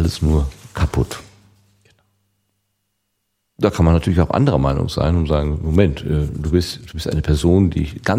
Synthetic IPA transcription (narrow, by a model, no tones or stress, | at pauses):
ʔaləsnuːɐkʰapʰʊ̰t | d̥aːkʰanmanːatʰyːɐlçaʊxʔa̰ndəʁɐmaɪnʊ̰ŋz̥a̰ɪnʊnzaːɡŋ̩momɛntʔɛːd̥uːbɪstd̥uːbɪstʔaɪnəpʰɛɐzoːndḭːɡ̥a